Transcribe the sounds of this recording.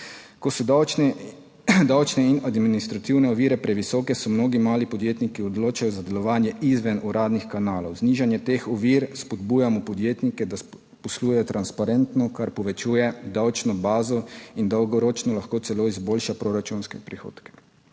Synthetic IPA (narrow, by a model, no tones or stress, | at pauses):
kɔsɔd̪ | d̪awt͡ʃnɛinad̪mminist̪ɾat̪iwnɛɔʋiːɾɛpɾɛʋisɔːkɛsɔmnoːɡimaːlipɔd̪jeːt̪nikiɔd̪loːt͡ʃajɔzad̪ɛlɔʋaːnjɛʔizʋɛnuɾaːd̪nixkanaːlɔwzniʒanjɛt̪exɔʋiːɾspɔd̪buːjamɔpɔd̪jeːt̪nikɛd̪as | pɔsluːjɛjɔt̪ɾanspaɾɛnt̪nɔkaɾpɔʋɛt͡ʃuːjɛd̪awt͡ʃnɔbaːzɔind̪ɐwɡɔɾoːt͡ʃnɔlaxkoːt̪sɛloːizboːlʃapɾoɾat͡ʃunskɛpɾixo̰ːt̪kɛ̥